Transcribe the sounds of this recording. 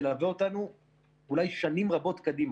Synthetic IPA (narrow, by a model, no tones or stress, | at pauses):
laːveot̪anu | ulajʃanimʁabo̞t̪kad̪im